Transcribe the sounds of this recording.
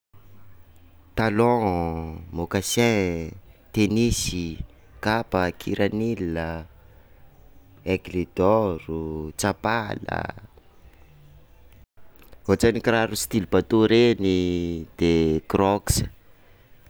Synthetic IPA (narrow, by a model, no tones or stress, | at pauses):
t̪alɔ̃ | mokasɛ̃ | t̪enisi | kapəkʰiɾʔanilə | eɡlid̪ɔɾut͡sapalə̰ | ot͡sanikraɾust̪ilibat̪oɾenid̪̥ekrɔksə̥